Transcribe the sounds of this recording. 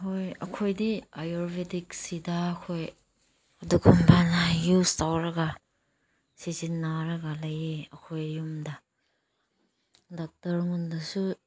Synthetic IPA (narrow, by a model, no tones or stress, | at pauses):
hojɐ̰kʰojdiajoɾbetiksidɐːkʰoj | ɐduɡʰumbʰanɐjustawɾɐɡɐ | sizinːaɾɐɡɐlɐjeɐkʰojjumdɐ | dak̚tɐɾŋundɐsu